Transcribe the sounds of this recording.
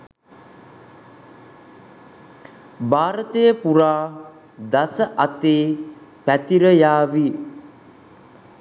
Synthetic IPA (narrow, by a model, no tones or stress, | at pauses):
baːɾət̪əjəpuɾaː | d̪asəʔat̪eːpæt̪iɾəjaːʋi